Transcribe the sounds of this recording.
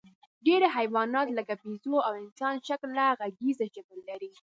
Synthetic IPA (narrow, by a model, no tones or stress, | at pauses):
ɖeɾaɦajwɑnɑt̪ləkapizoawɪnsɑnʃaklːaɣaɡizaʒabəlːaɾi